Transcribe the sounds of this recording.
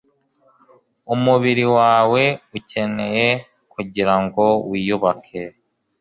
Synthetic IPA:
umuβiɾiwaːwe̞uce̞ne̞je | kuɟiɾaŋɡo̞wiːjuβakʰe

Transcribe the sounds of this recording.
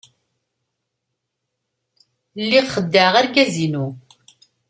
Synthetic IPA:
lːiʁχəd̪ːaʁaɾkæzinu

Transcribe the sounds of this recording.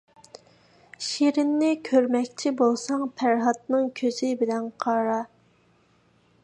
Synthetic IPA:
ʃiɾɪnːɪkʲʰøɾmɛkʲt͡ʃʰibolˠsɑŋpʰæɾɦɑt̪̚nɨŋkʲʰøz̥ɪbɪlɛnqʰɑɾɑ

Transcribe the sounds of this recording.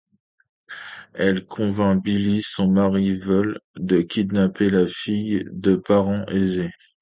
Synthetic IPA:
ɛlkʰɔ̃vɛ̃bilisɔ̃maʁivɔld̪əkʲid̪napelafijd̪əpaʁɑ̃ʔeze

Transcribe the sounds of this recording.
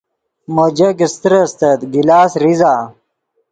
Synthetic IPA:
məd͡ʑɐkist̪ɾɐst̪ɐt̪ɡilaːsɾizaː

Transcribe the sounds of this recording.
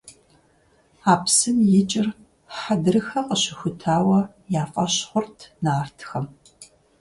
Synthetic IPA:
aːpsɨnjɪt͡ʃʼɪr | ħadɨrɨxɐqəɕɪxʷʊtʰaːwɐ | jaːfʼɐɕχʷʊrtʰnaːrtʰxɐm

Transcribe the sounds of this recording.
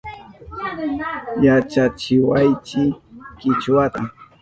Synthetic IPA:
jat͡ʃat͡ʃɪwajt͡ʃɪkɪt͡ʃwat̪a

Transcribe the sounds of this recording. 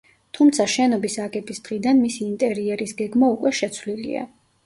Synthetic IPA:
t̪ʰumt̪sʰaʃɛnɔbisaɡɛbisd̪̥ʁid̪anmisiːnt̪ʼɛɾiɛɾisɡɛɡmaukʼwɛʃɛt̪sʰwlilḭa̰

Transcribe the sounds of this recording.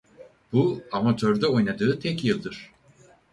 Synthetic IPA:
b̥uamat̪ʰøɾd̪ɛo̞jnad̪ɯːt̪ʰɛcjɯlˠd̪ɯɾ̥

